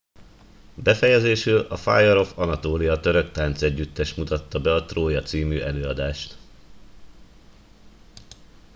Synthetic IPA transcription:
bɛfɛjɛzeːʃøːlɒfa̰ːjɒɾo̞fɒnɒt̪oːlijɒt̪ø̞ɾø̞kt̪aːnt̪sɛɟːyt̪ːɛʃmut̪ɒt̪ːɒbɛɒt̪roːjɒt̪siːmyːʔɛløːɒd̪aːʃt̪

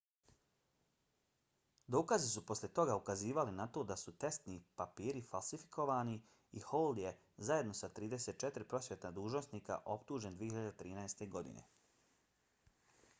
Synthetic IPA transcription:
d̪o̞ːkazisupo̞slje̞t̪o̞ɡaukaziːʋalinat̪o̞d̪asut̪e̞st̪nipapiːɾifalˠsifi̥kʰo̞ʋaːni | iholˠd̪je̞ | zaje̞d̪no̞sat̪ɾiːd̪e̞set̪̚t͡ʃet̪ɾipɾo̞sʋjet̪nad̪uːʒnosniːka̰ʔo̞pt̪uːʒend̪ʋiːehiʎad̪et̪ɾiːnaest̪e̞ɡo̞d̪ḭnḛ

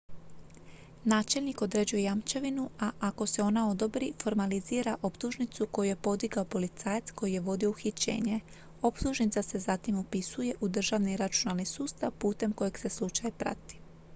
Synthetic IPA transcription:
naːt͡ʃe̞lʲniko̞d̪ɾe̞d͡ʑuje̞jamt͡ʃeʋinuaʔako̞se̞o̞nao̞d̪o̞bɾifo̞ɾmaliziːɾaʔo̞pt̪uʒnit̪suko̞juje̞po̞d̪iɡaopo̞lit̪saːjet̪sko̞jije̞ʋo̞d̪io̞uxit͡ɕe̞̰ːɲe̞ | o̞pt̪uʒnit̪sase̞zat̪imopisuje̞ʔud̪r̩ʒaʋniɾat͡ʃunalˠnisuːst̪aʋpuːt̪e̞mko̞jeɡse̞slˠut͡ʃajpɾa̰t̪i̥

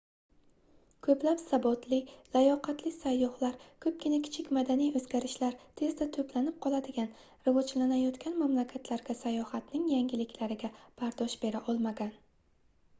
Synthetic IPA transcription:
kʰɵplapsabɒt̪ʰlɪlajɒqɑt̪ʰlɪsajːɒhlaɾkʰɵp̚kʲɪnakʲʰɪ̥t͡ʃʰɪkʲmad̪anijɵzɡʲaɾɪʃlaɾt̪ʰe̞zd̪at̪ʰɵplanɪp̚qʰɒlˠad̪ɪɡʲan | ɾɪvɒd͡ʒlanajɒt̪kʲʰanmamlakʲʰat̪ʰlaɾɡʲasajɒhat̪nɪŋjaŋɡʲɪlɪkʲʰlaɾɪɡʲab̥aɾd̪ɒʃb̥e̞ɾaʔɒlˠmaɡʲan

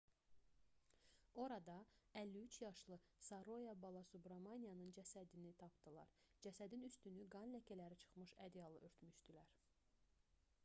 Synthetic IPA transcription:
o̞ɾɑd̪ɑælːiyt͡ʃʰjɑʃlˠɯsɑɾo̞jɑbɑlˠɑsubɾɑmɑnijɑnɯnd͡ʒæsæd̪init̪ʰɑpd̪ɯlˠɑ̰ɾd͡ʒæsæd̪inyst̪ynyɡɑnlæcʰælæɾit͡ʃʰɯ̥χmɯʃæd̪ijɑlˠɯʔøɾt̪myʃd̪ilæɾ

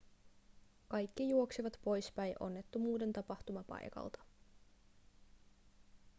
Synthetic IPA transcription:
kɑjkːijuo̞ksiʋɑt̪po̞jspæjʔo̞̰nːe̞t̪ːumuːde̞nt̪ɑpɑht̪umɑpɑ̰jkɑ̰lt̪ɑ̥

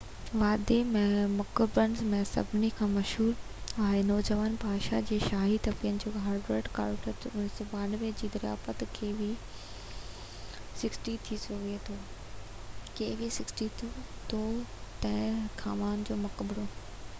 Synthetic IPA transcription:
ʋaːd̪emẽmʊkəbɾənɪzmẽsɐ̰bʱɪnikʰãːmɐʃɦuːɾ | aːɦenɔːd͡ʑəʋaːnbʱaːʃad͡ʑeːʃaːɦit̪ɐpiənɪ̆d͡ʑoːɦaːɾɖɾeːʈka̰ːɾʈətʊnisɔːbaːnəʋed͡ʑiːd̪ɐɾɪja̰ːfət̪kʰeːbi | sɪksʈit̪ʰisoʋiet̪ʰoː | keːʋisɪksʈit̪ʰut̪ʰot̪ɐ̃ɦɪ̃kʰaːmaːnd͡ʑoːmɐkəbɽo

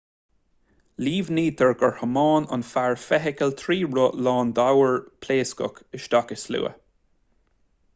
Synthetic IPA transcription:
liːvniːd̪ʰəɹɡəɹhəmɑːnʊ̰nfaɹfɛɦɪkəlt̪ʰɾiːɹʊlɑːnd̪awəɹpʰleːskʊ̰kɪʃd̪akɪslṵːə̰

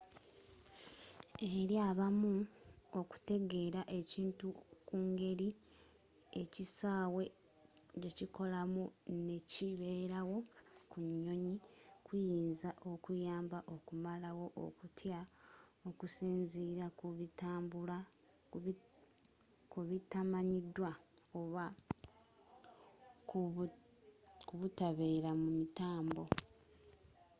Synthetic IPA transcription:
e̞ɾjaːβamuo̞ku̥te̞ɡe̞ːɾaʔe̞ciːntukuːŋɡe̞ɾi | e̞cisaːwe̞ | ce̞ciko̞lamune̞ciβe̞ɾawo̞kuɲːo̞ɲikwijiːnzaʔo̞kujaːmbaʔo̞kumalawo̞ʔo̰kutʰjaokusiːnziɾakuβitaːmbula | kuβitamaɲidwaoβa | k | kuβutaβe̞ːɾamumitaːmbo̞

